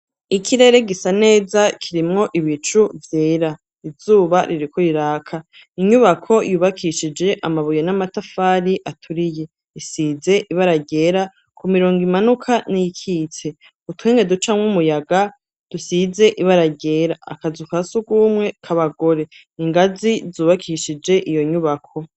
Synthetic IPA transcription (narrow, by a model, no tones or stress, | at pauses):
ikʰiɾe̞ɾe̞ɡisane̞ːzakʰiɾimŋo̞ʔiβit͡ʃuvjeːɾa | izuːβaɾiɾiko̞iɾaːkʰa | iɲuβakʰo̞juβakʰiʃid͡ʒe̞ʔamaβujanamatafaːɾiʔatʰuɾije̞ | isiːze̞ʔiβaɾaɟe̞ɾa | kʰumiɾo̞ːŋɡimanukʰanijikʰit͡se̞ | utweːŋɡe̞dut͡ʃamŋumujaɡa | d̥usize̞ʔiβaɾaɟe̞ːɾa̰ːkazukasuɡwuːmŋe̞kʰaβaɡo̞ɾe̞ | iŋɡazizuːβakʰiʃid͡ʒe̞ʔijo̞ɲuβakʰo̞